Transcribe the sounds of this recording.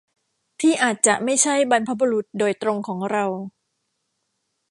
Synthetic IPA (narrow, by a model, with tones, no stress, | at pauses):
t̪ʰiː˥˩ʔaː˨˩t̪̚t͡ɕa˨˩ʔma˥˩jt͡ɕʰa˥˩jba˧npʰa˦˥bo˧ɾu˨˩t̪̚doː˧jt̪ɾo˧ŋkʰɔː˩˦ŋɾa˧w